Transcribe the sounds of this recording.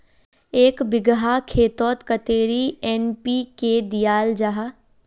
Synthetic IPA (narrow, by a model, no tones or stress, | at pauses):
eːkbɪɡɦakʰeːt̪ɔːt̪kət̪eːɾiɛːnpiːked̪ijaːld͡ʒaɦa